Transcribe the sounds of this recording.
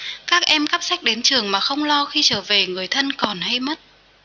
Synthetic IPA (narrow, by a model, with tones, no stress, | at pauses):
kaː˦˥k̚ʔɛ˧mka˦˥p̚sa˦˥k̟̚ɗe˨˦nt͡ɕɨ˨˩əŋmaː˨˩xə˧wŋ͡mlɔ˧xi˧t͡ɕəː˧˩ve˨˩ŋɨ˨˩əjt̪ʰə˧nkɔ˨˩nha˧jmə˦˥t̚